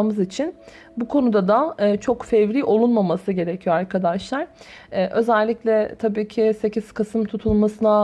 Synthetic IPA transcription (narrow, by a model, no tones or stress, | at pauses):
mɯzit͡ʃʰin | bukʰo̞nud̪ad̪aɯːt͡ʃʰo̞kfɛvɾiːʔo̞lˠunmamasɯɟe̞ɾecʰijoaɾkʰad̪aʃlˠaɾ̥ | ɛːʔø̞zɛlʲːiclʲɛt̪ʰabiːcʰise̞cʰiz̥kʰasɯmt̪ʰut̪ʰulˠmasɯna